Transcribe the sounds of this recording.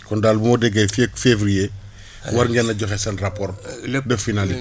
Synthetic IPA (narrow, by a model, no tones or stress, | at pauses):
kɔndaːlbumɔːdɛɡɐjfekfevɾije | waɾŋɡɛnːɐɟɔxesɐnrapɔɾdɛfinali